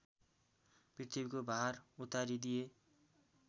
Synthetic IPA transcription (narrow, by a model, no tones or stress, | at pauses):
prit̪ʰibikobaɦarut̪ːaɾid̪ije